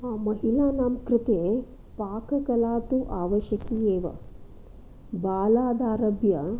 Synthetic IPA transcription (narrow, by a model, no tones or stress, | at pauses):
mɐɦilaːnaːmkɾɪt̪eː | paːkɐkɐlaːt̪uʔaːʋɐʃjɐkiːeːʋɐ̰ | baːlaːd̪aːɾɐbjɐ